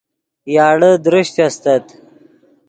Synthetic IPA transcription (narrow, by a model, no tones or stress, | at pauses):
jɑːɽəd̪ɾiɕt̪ast̪ɐt̪